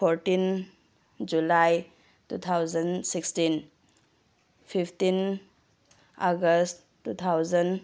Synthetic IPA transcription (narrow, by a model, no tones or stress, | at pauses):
pʰoɾtin | d͡ʒulaj | tut̪ʰawzənsikstin | pʰipʰtin | aɡəst | tːut̪ʰawzən